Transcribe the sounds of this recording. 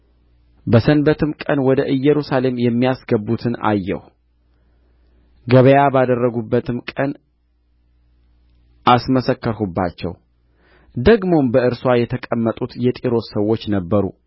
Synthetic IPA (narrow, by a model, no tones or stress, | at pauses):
bəsənbət̪ʰɨmkʼənwɔd̪əʔɨjːɛɾusale̞mjɛmːijasɡəbːut̪ʰɨna̰jːɛ̰h | ɡəβəjabad̪ərːəɡubːət̪ʰɨmkʼən | ʔasməsəkːəɾhubːa̰t͡ʃːɛ̰w | d̪əɡmo̞mbəʔɨɾswajɛt̪ʰəkʼəmːət̪ʼut̪jɛt̪ʼiɾo̞səwːo̞t͡ʃːnəbːəɾṵ